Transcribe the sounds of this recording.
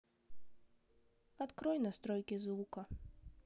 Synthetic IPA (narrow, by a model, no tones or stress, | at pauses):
at̪kɾɔjnɐst̪ɾɔjkʲizvukɐ